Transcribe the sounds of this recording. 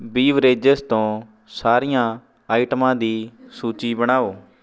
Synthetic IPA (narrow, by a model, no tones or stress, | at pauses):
biːʋɾeːd͡ʒəst̪õː | saːɾijãː | aːɪʈmãːd̪iːsuːt͡ʃiːbəɽ̃aːoː